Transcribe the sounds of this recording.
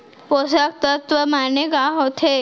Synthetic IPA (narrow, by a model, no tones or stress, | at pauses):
posak̚t̪ət̪ʋəmaneɡaɦot̪ʰe